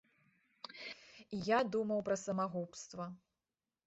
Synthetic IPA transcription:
ijad̪umɐwpɾɐsɐmaɣupst̪vɐ

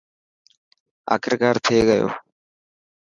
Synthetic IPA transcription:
ɐ̰kɾkaːɾt̪ʰeːɡɐjo̰ː

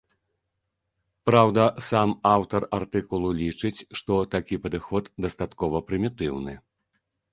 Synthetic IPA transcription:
pɾawd̪ɐsamawt̪ɐrart̪ɨkulˠulʲit͡ʂɨt͡sʲʂt̪ɔt̪akʲipɐd̪ɨxɔd̪d̪ɐst̪at̪kɔvɐpɾɨmʲit̪ɨwnɨ̰

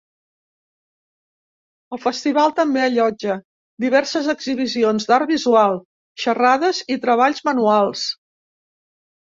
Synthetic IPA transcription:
əlˠfəst̪iβ̞alˠt̪əmbeəʎɔd͡ʒə | d̪iβ̞ɛɾsəzəɡziβ̞izionzd̪aɾbizualˠ | ʃəraðəzit̪ɾəβ̞aʎzmənualˠs

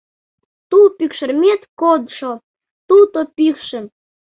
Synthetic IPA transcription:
t̪upykʃərmʲet̪kod̪ʃo | t̪ut̪opikʃə̆m

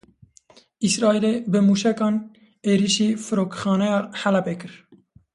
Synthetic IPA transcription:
isɾɑːiːlebɨmuːʃɛkɑːn | eːɾiʃiːfɨɾoːkxɑːnɛjɑːħælɛpeːkɨɾ

